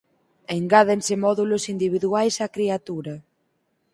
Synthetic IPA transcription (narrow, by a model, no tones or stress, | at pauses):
eŋɡað̞ensemɔðulosind̪iβ̞iðuajsakɾiat̪uɾɐ